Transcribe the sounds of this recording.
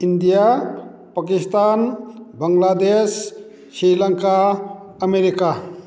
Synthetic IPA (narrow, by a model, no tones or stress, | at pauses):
ind̪ija | pakist̪anbɐŋlad̪esː | ɾiləŋkaəmeɾika